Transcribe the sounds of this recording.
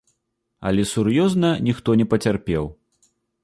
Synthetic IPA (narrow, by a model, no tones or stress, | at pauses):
ɐ̰lʲɛsurjɔznɐnʲixt̪ɔnʲɛpɐt͡sʲarpʲɛw